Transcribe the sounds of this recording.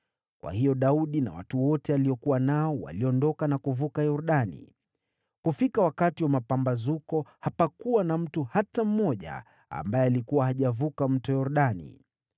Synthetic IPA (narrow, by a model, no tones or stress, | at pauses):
kwa̰hijɔɗauɗina̰wa̰tuwɔtɛaliɔkuwanaɔwa̰liɔndɔkanakuvukajɔɾuɗanḭ | kufikawakatiwamapambazukɔhapakuwanam̩tuhatam̩mɔʄa̰ | a̰mbajɛalikuwahaʄavukam̩tɔjɔɾuɗanḭ